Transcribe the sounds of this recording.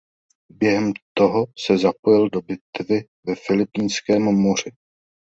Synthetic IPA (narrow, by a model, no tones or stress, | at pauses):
bjɛɦɛmt̪o̞ɦo̞sɛzapo̞jɪldo̞bɪt̪vɪ | vɛfɪlɪpiːnskɛːmmor̝ɪ